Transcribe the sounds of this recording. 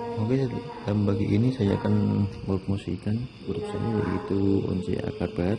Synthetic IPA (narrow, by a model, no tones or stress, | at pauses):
moɡad̥aləmbaɡiʔinisajaːkanmoɾup̪̚mosḭkanbəɾupsa̰naja̰ḭt̪uo̰nsḛa̰kabat̪